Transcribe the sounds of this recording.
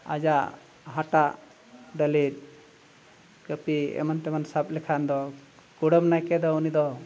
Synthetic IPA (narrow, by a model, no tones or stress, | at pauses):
a̰d͡ʒa | ɦaʈa | ɖəliɾ̚ | kəpiɛ̰mant̪ɛmansap̚lɛkʰand̪ɔ | kuɽəmnajkɛd̪ɔunid̪ɔ